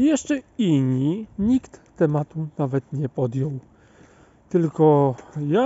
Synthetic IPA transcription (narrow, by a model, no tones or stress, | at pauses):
jɛʂt͡ʂɛiɲːiɲikt̪ːɛmat̪unavɛt̪ɲɛpɔd̪jɔw | t̪ɘlkɔja